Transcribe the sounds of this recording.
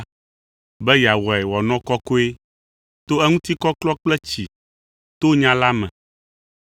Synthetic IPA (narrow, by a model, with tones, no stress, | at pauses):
bɛ˦ja˨wɔ˨ɛ˨wɔ˨nɔ̃˦kɔ˦ko˦e˦ | t̪o˦ɛ˦ŋũ˦t̪i˦kɔ˦klɔ˦k͡plɛ˦t͡ɕi˨ | t̪o˦ɲã˦la˦mɛ̰̃˨